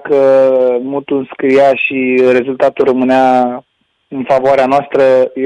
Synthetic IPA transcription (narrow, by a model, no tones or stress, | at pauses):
kəmut̪unskɾijaʃire̞zult̪at̪ulrəmɨnea | ɨnfavoaɾeanoast̪ɾə